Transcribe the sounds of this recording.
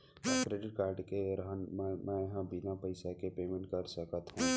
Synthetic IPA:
ɛkɾeːɖɪʈ̚kaːɾɖkeɾɐɦənmɛ̃mɛ̃ːjɐɦãbinapɐɪsakepeːmẽɳʈkɐɾsɐkət̪ɦũː

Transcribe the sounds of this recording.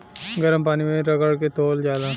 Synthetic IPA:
ɡɐɾəmpaːnimẽɾɐkəɽk̬et̪oːld͡ʒaːd̪a

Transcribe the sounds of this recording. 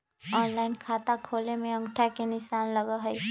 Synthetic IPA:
ɔːnlaːɪnkʰaːt̪akʰoːlemẽə̃ŋɡʈʰakenɪʃaːnləɡaɦɛi

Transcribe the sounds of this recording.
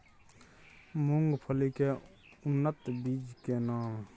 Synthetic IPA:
mʊŋɡpʰəlikeː | ʊnːət̪bid͡ʒkeːnãː

